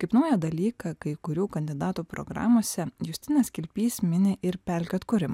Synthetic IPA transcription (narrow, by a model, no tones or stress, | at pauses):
kɐɪpnɐʊjɛd̪ɐlʲiːkɑkɐɪkʊɾʲuːkɐnʲd̪ʲɪd̪ɑːt̪uːpɾo̰ɡɾɑ̰ːmoːsʲɛjʊst̪ʲɪnʲeːskʲɪlʲpʲiːsmʲɪnʲɪʔɪɾpʲælʲkʲɛt̪kʊɾʲɪm